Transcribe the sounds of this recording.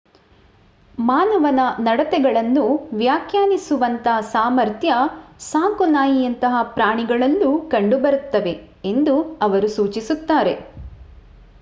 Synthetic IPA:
maːnɐʋɐnɐnɐɽɐt̪ɛɡɐɭɐnːuʋjaːkʰjaːnisuʋɐnt̪ɐsaːmɐɾt̪jɐsaːŋkunaːjijɐnt̪ɐɦɐpɾaːɳiɡɐɭɐlːukɐɳɖubɐɾut̪ːɐʋe̞ | end̪uɐʋɐɾusuːt͡ʃisut̪ːaːɾe̞

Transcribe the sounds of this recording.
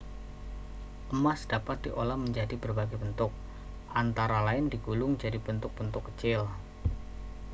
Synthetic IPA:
ʔəmasd̥apat̪̚diʔolahməɲd͡ʒadibərbaɡajbənt̪ʊk̚ | ʔant̪aɾalaɪndiɡulʊŋd͡ʒadibənt̪ʊk̚b̥ənt̪ʊkːət͡ʃɪl

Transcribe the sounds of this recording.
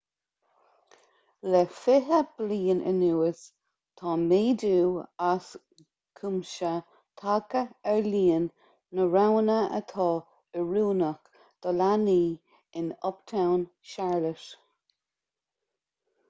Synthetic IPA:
lɛfɪɦəb̥liːənʔə̰nuːəs | t̪ʰɑːmeːduːas | kʰumʃə | t̪ʰakəɛɹliːənː | əɹawnəʔə̰t̪ʰɑː | əɹuːnək | d̪̥ɔlaniː | ɪnɔpt̪ʰawn | ʃaɹləʃ

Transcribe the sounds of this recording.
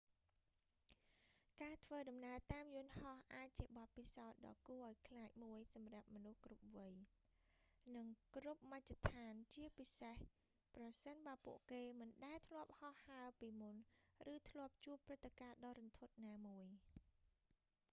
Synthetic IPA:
kaːt̪ʰʋəːɗɑmnaət̪aːmjʊ̆ənhɑhʔaːc̚t͡ɕiəɓɑt̪̚pisaɔt̪̚ɗɑ̰ːkuəʔaɔjkʰlaːc̚muəjsɑmrap̚mɔnuhkrup̚ʋɨj | nɨŋkrup̚mac̚t͡ɕat̪ʰaːnt͡ɕiəpiseh | prɑsənɓaəpuəʔkeːmɨnɗaɛt̪ʰlŏəp̚hɑhːaəpiːmunrɨːt̪ʰlŏəp̚t͡ɕuəpːrɨt̪ʰːekaːɗɑːɾɔnt̪ʰut̪̚naːmuəj

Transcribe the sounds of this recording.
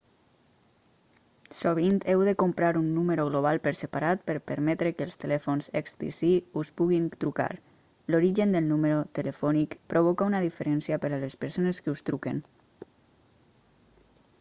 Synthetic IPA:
soβ̞int̪ɛwðəkompɾaɾunːuməɾoɣloβ̞alˠpəɾsəpaɾat̪̚pəɾpəɾmɛt̪ɾəkəlˠst̪əlɛfonzɛkst̪ḭsiuspuɣint̪ɾuka̰ɾ | loɾiʒənd̪əlˠnuməɾot̪ələfɔnikpɾoβ̞ɔkaunaðifəɾɛnsiapəɾalespəɾsoneskəust̪ɾuken

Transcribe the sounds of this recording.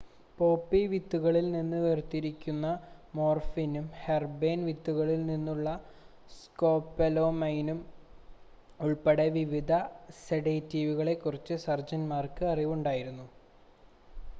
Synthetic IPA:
po̞ːpːiʋit̪ːuɣɐɭilninːɨʋert̪ːiɾikʲːunːɐmo̞ːrfinumherbe̞ːnʋit̪ːuɣɐɭilninːuɭːɐ | sko̞ːpːɐlo̞ːmɐjnum | uɭpeɽe̞ʋiʋid̪ʱɐseɽeːtːiːʋuɣɐɭe̞kːurit͡ɕːɨsɐrd͡ʑɐnmaːrkɨɐriʋuɳɖaːjiɾunːu

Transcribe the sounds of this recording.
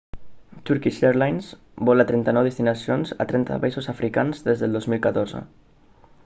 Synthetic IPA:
t̪uɾkiʃeɾlajns | bɔlat̪ɾɛnt̪anɔwðest̪inasionza̰t̪ɾɛnt̪a̰βaisozafɾʔikanzðezðelˠd̪ozmilˠkat̪oɾzə̰

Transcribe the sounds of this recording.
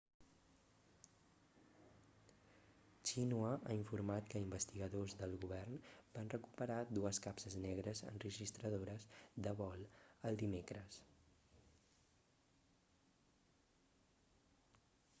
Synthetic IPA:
t͡ʃinuəa̰iɱfuɾmat̪kəimbəst̪iɣəðozðəlˠɣuβɛrnbanrəku̥pəɾad̪uəskapsəznɛɣ̞ɾəzə̰nrəʒist̪ɾəðoɾəzd̪əβɔlˠəlˠd̪imekɾəs

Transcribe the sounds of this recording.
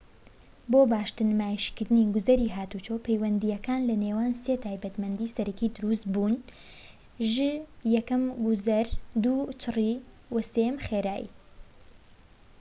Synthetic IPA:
bobaːʃt̪ɨnmaːjiʃkɨɾd̪ɨniːɡʊzɐɾiːɦaːt̪ut͡ʃoːpʰɛjwɐnd̪ijɛkaːnlɐneːwaːnset̪ʰaːjbɐt̪mɐnd̪iːsɐɾɐkiːd̪ʊɾust̪buːn | ʒɨjɛkɐmɡʊzɐɾd̪uːt͡ʃʰɨri | wɐsejɛmxeːɾaːjḭ

